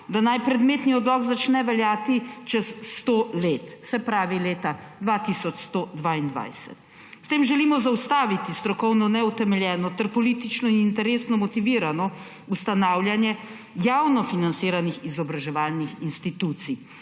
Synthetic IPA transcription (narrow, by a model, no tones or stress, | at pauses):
d̪anajpɾɛd̪meːt̪niɔd̪lɔkzat͡ʃnɛʋɛljaːt̪it͡ʃɛsːt̪oleːt̪sɛpɾaːʋileːt̪ad̪ʋaːt̪isɔt͡ʃst̪od̪ʋaːind̪ʋa̰jsɛ̰t̪ | st̪eːmʒɛliːmɔzaust̪aːʋit̪ist̪ɾɔkɔwnɔnɛut̪ɛmɛljɛːnɔt̪ɛɾpɔliːt̪it͡ʃnɔinint̪ɛɾeːsnɔmɔt̪iʋiːɾanɔ | ust̪anaːwljanjɛ | jaːwnɔfinant̪siːɾanixizɔbɾaʒɛʋaːlnixinst̪it̪uːt̪si